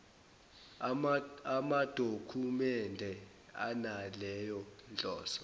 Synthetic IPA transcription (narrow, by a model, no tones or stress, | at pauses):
amad̥ʱokʰumɛndʱɛ | a̰nalɛjɔnd͡ɮʱɔ̰ːsɔ̥